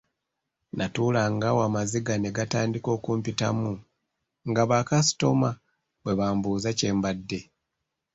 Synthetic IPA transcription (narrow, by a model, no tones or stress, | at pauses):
nʔatuːlaŋɡawaːmaziɡane̞ɡataːndiko̞ːkuːmpitamu | ŋɡaβakasi̥to̞ma | bwe̞βaːmbuːzace̞ːmbadːe̞